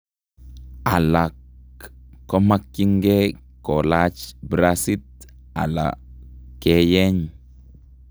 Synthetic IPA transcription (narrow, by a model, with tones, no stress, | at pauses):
a˨la˨kː | o˦ma˦kːi˦ŋɡe˦ | ko˨lat͡ʃbɾasi˦t | a̰˨la̰˨ke˦je˦ɲ